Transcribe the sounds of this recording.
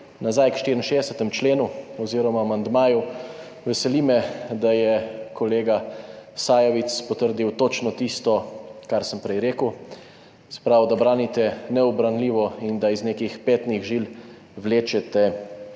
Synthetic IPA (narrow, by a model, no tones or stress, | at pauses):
nazajkʃt̪iɾinʃeːd̪ɛsɛt̪ɛmt͡ʃleːnuɔziːɾɔmaːmand̪maːju | ʋɛsɛlimɛd̪ajɛkɔleːɡasaːjɔʋit̪spɔt̪əɾd̪iwt̪ot͡ʃnɔt̪ist̪ɔkaɾsəmpɾɛjɾeːkəw | sɛ̥pɾawd̪abɾaːnit̪ɛnɛɔbɾanliʋɔind̪aizneːkixpeːt̪niɣʒil | wleːt͡ʃɛt̪ɛ